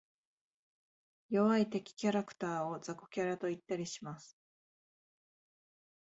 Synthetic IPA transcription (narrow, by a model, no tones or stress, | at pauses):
jo̞βait̪e̞kʲi̥kʲaɾakɯ̥t̪aːo̞d͡zako̥kʲaɾat̪o̞it̪ːaɾʲiɕimasɨ̥